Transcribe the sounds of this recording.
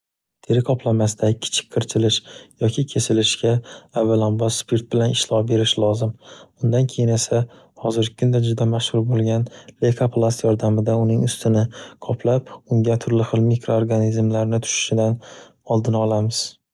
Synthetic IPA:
t̪ʰeɾɪkʰɒplˠamas̬ɪd̪akʲʰːɪ̥t͡ʃʰɪ̥k̚ʲqʰɨɾt͡ʃʰɪlɪʃjɒkʲʰɪkʲʰe̞sɪlɪʃkʲaːvːalanbɒsspiɾt̪̚bɪlanɪʃlɒbe̞ɾɪʃlˠɒzɪmʊnd̪ankʲʰejɪne̞sa | hɒzɪɾɡʲɪkʰʊnd̪ad͡ʒʊd̪amaʃhʊɾbolˠɡʲanlekʰapʰlˠast̪jɒɾd̪amɪd̪aʊnɪŋʊst̪ʰɪnɪqʰɒplap̚ʊŋɡʲat̪ʰʊɾlɪχɨlˠmikɾooɾɡanizmlaɾnɪt̪ʰʊ̥ʃɪ̥ʃɪd̪an | ɒlˠd̪ɪnɒlˠamɪz̥

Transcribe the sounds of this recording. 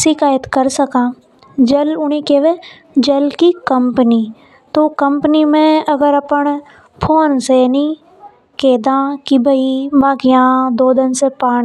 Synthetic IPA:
sɪkaːjət̪kɐɾsɐkãː | d͡ʒɐlʊɽ̃ikeʋe | d͡ʒɐlkikɐmpəni | t̪okɐ̃mpnimẽɐɡəɾɐpəɳ | pʰoːnsenĩ | keːd̪ãːkibʱɐimãɡɪjãːd̪oːd̪ɪnsepaː

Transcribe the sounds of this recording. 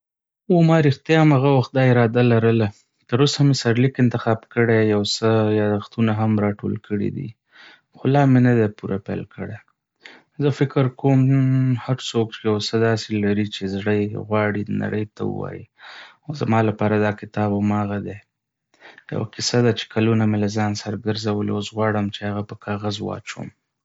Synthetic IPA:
omɑɾɪxt̪jɑmaɣawaxt̪̚d̪ɑɪɾɑd̪alaɾəla | t̪əɾosamesaɾlikɪnt̪ɪxɑbkəɽejawsəjɑd̪axt̪unaɦamɾɑʈo̰lkəɽḭd̪ḭ | xolɑmenad̪epuɾapɛ̰lkəɽe | zəfɪkəɾkomhaɾsokt͡ʃejawsəd̪ɑselaɾit͡ʃezɽəjɣwɑɽina̰ɽəjt̪awṵwa̰jḭ | ozamɑlapɑɾad̪ɑkɪt̪ɑbamɑɣad̪e | ja̰wa̰kɪsad̪at͡ʃe̥kʰalunamelazɑnsaɾɡəɾzawəleosɣwɑɽəmt͡ʃeaɣapəkɑɣazwɑ̰t͡ʃo̰m

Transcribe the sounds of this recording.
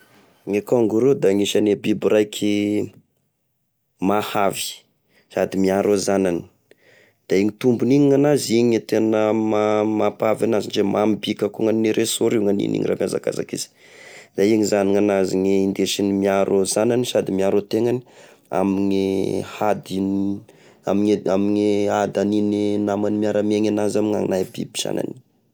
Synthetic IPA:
ŋekoŋɡuɾed̪aŋiʃanebibiɾajkʰi | mahavi̥ | sad̪imiaɾozanani̥ | d̪̥aiŋit̪umbuniɲiŋanaziɲit̪enəmamapavanazind͡ʒemʔambikakuŋaniniɾʔesoɾiwŋanḭnḭŋira̰mjaza̰ka̰za̰kḭz̥i̥ | d̪aiŋizaniŋanaziŋeind̪eʃinimiaɾʔozananisad̪imiaɾot̪eŋani̥ | a̰miŋihad̪in | amiamiɲiad̪anininamanimiaɾameɲanazamiŋa̰ŋnajbḭbi̥z̥a̰na̰ni̥

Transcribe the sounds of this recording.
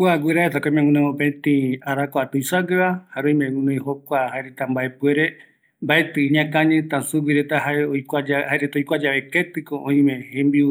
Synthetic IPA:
kuaɡʷiɾaet̪akoĩmẽŋũnõõpẽt̪ĩaɾakoat̪ujsaɡɨβahaɾõĩmẽŋũnõj̃hokʷahaeɾet̪ambaepueɾe | mbaet̪ɨĩɲãkãɲɨ̃t̪ãsuɡiɾet̪ahaeojkʷad͡ʒahaeɾet̪aoijkʷad͡ʒaβeket̪ɨkoʔõĩmẽhẽmbiu

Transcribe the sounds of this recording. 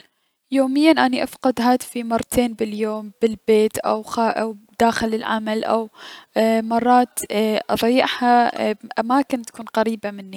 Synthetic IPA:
joːmɪjːanʔaniʔafqɑd̪ɦaːt̪fimɑrˤːɑt̪ʰeːnbɪljoːmb̥ɪlbeːt̪ʔa̰wxaʔawd̪aːxɪlɪlʕa̰malʔa̰w | mɑrˤːɑːt̪ʔɑðˤɑjːɪʕhaʔamaːkɪnt̪ḁkuːnqaɾiːbamɪnːi

